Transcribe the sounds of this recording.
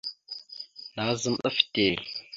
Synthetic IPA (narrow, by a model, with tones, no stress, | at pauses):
na˨˦zə˦mɗə˦fte˨